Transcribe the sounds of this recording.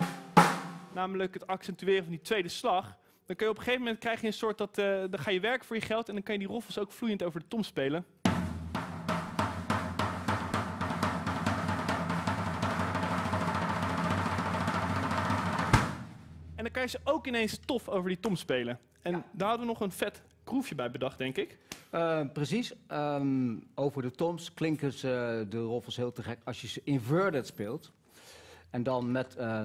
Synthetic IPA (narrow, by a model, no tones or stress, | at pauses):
naːmələkɦətɑksɛntyɪːrəvɑnditʋejdəslɑχ | d̥ɑŋkɑnjəɔpəχejvəmɛnt̚krɛjχəjəənsʊːɹt̚dɑtdɑχaːjəʋɛɹkə̥vʊːɹjəχɛlˠtɛndɑŋkɑnjədirɔflˠsowkflujəntowvəɹdətɔmspejlən | ɛndɑkɑjəzəʔowkɪnejnstɔfowvəɹditɔmspejlən | ɛndaːɹɦɑdəʋənɔχənfɛt | krufjəbɛjbədɑχ̚d̥ɛŋkɪk | prəsisə | owvəɹdətɔmsklɪŋkənzədərɔflˠsɦɪːlˠtəχɛkɑsjəzəʔɪnvøɹdətspɪːlˠt | ɛndɑnmɛtə